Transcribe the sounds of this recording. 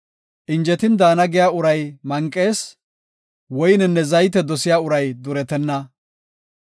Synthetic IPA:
ʔɪnd͡ʒɛt̪ɪnd̪aːnɐɡɪjaːʊɾɐjmɐŋkʼːe̞ːs | wɔjnɛnːɛzɐjt̪ɛd̪ɔsɪjaːʊɾɐjd̪ʊɾɛt̪ɛnːɐ

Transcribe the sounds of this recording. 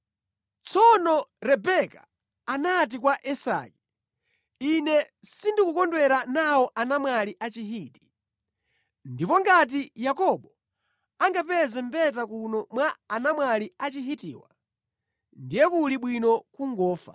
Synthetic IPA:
t͡sɔnɔɾɛbɛkaː | nat̬ikwaʔɛsa̰ki | inɛ | sindikukɔndwɛɾanawɔʔanamwaliʔat͡ʃiɦiːti̥ | ndipɔŋɡat̬ijakɔɓɔ | aŋɡapɛzɛmbɛt̬akunɔmwaanamwaliat͡ʃiɦitḭːwa | ndijɛkuliɓwinɔkuŋɡɔːfa̰

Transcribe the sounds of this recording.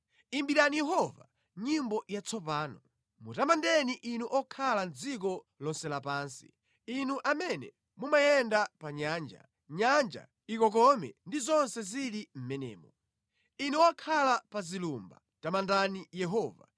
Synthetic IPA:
imbiɾanijɛɦɔva | ɲimbɔjat͡sɔpaːnɔ | mutamandɛniʔinuʔɔkʰaland͡zik̬ɔ | lɔnsɛlapaːnsi̥̰ | inuʔamɛnɛ | mumajɛndapaɲaːnd͡ʒa̰ | ɲand͡ʒa̰ | ikɔk̬ɔmɛ̰ndizɔnsɛziɾim̩mɛnɛ̰ːmɔ | inuwakʰalapazilumba̰ | tamandanijɛɦɔːva̰

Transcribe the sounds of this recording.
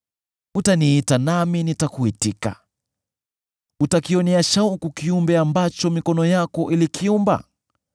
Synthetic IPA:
utaniitanaminitakuitika̰ | utakiɔniaʃaukukiumbɛambat͡ʃɔmikɔnɔjakɔʔilikʰiumba̰

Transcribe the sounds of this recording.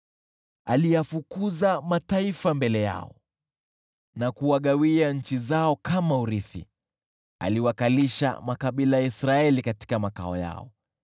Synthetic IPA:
alijafukuzamataifambɛlɛja̰ɔ̰ | nakuwaɠawiaɲ̩t͡ʃizaɔkamauɾiθḭ | a̰liwakaliʃa̰makaɓilajaisɾaɛlikati̥kamaka̰ɔ̰ja̰ɔ̰

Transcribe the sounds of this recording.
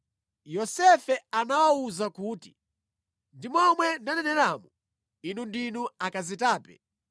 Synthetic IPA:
jɔsɛfɛanawauzakuːti | ndimwɔmwɛndanɛnɛɾaːmu | inundinuakazitaːpɛ̰

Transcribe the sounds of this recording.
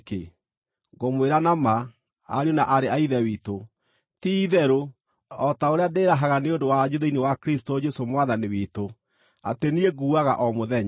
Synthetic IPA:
kḛ | ɡomweɾanama | a̰ɾjonaʔaɾeaiðɛwiːto | tiðɛɾo | ɔtaoɾeadeːɾaɦaɣaneondowaɲoðeinewakɾistod͡ʒɛsomwaðaniwito | a̰tenieɣuːaɣa̰ʔɔmoðɛɲ

